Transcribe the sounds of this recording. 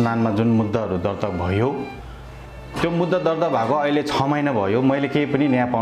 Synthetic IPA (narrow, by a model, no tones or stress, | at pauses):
nanmad͡zunmud̪ːaɦʌɾud̪ʌrt̪ʌk̚bʱʌjo | t̪jomud̪ːʌd̪ʌrd̪ʌk̚bʱakoʌjlet͡sʰʌmʌjnabʱʌjomʌjlekejpʌninʌjapa